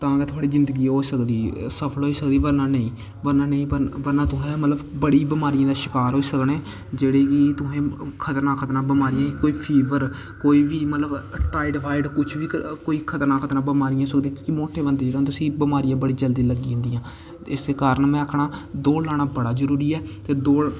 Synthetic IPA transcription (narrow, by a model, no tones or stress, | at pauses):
t̪ãːkeːt̪ʰʊaːɽiːzɪ̃nd̪əɡiːɦoːsəkd̪iːsəpʰəlɦoːiːsək̚d̪iːbəɾnãːnəĩː | bəɾnãːnəĩːbəʋəɾnãːt̪ʊɦɛ̃ːmət̪ləbbəɽiːbɪmaːɾɪijãːd̪aːʃɪkaːɾɦoːiːsəkneː | d͡ʒeːɽeːkɪt̪ʊɦẽːkʰət̪ɾnãːkʰət̪ɾãːbəmaːɾijãːkoːiːpʰiːʋəɾ | koːiːbiːmət̪ləbʈaːɪɖʋaːɪɖkʊt͡ʃʰʋiːkoːiːkʰət̪ɾnãːkʰət̪ɾãːbəmaːɾijãːsəkd̪eiãkimoːʈʰeːbənd̪eːd͡ʒeːɽeond̪et̪sĩːbəmaːɾijãːbəɽiːd͡ʒəld̪iːləɡĩːnd̪ijãː | ɪseːkaːɾəɳmɛ̃ːəkʰɽaːd̪oːlaːɽaːbəɽaːzəɾuːɾiːɛːt̪eːd̪oː